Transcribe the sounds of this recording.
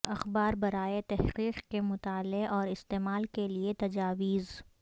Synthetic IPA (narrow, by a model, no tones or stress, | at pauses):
ɐxbaːɾbɐɾaːet̪ɛhqiːqkemʊt̪aːleʔɔːɾɪst̪eːmaːlkeliet̪ɐd͡ʒaːwiːz